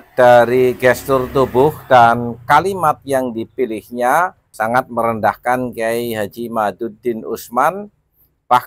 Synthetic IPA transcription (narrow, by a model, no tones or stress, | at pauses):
d̥aɾiɡɛst̪ʊrt̪ubʊhdankalimat̪̚jaŋdipilɪhɲa | saŋat̪̚məɾəndahkankajɦad͡ʒimadudɪnusman | pa